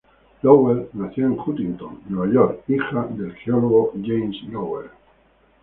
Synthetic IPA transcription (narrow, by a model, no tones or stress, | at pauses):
loweɾnaθjoeŋkut̪int̪o̰ŋːweβaʝoɾixad̪e̞lxeoloɣoʝejmsloweɾ